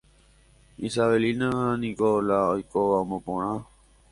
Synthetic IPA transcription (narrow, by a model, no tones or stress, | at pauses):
isaelinãhanĩkolaojkoʋamõpõɳ̃ã